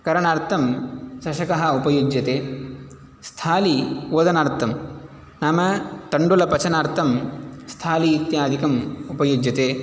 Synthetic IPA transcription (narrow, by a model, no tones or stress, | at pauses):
kɐɾɐɳaːɾt̪ʰɐmsɐʃɐkɐɦɐ̆upɐjud͡ʒjɐt̪eː | st̪ʰaːlioːd̪ɐnaːɾt̪ʰːɐm | naːmɐt̪ɐɳɖulɐpɐt͡ʃʰɐnaːɾt̪ʰɐmst̪ʰaːliːt̪jaːd̪ʱikɐmupɐjod͡ʒjɐt̪eː